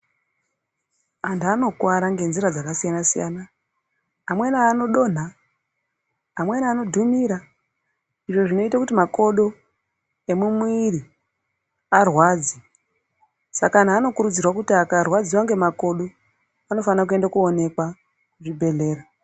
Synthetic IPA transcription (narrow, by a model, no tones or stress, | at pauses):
antuano̞kwaɾaŋɡe̞nziɾad͡zakasijanasija̰na | amwe̞naːno̞ɗo̞ːn̤a | mwe̞naːno̞dʱumiɾa | iʐo̞ʐino̞itakutimako̞ɗo̞ | e̞mumuwiri | arwaːd͡zi | sakan̤aːno̞kuɾud͡zirwak̬utakarwad͡ziwaŋɡe̞mako̞ɗo̞ | ano̞fanaak̬ue̞ndakuone̞kwa | uʐibʱe̞ɮe̞ːra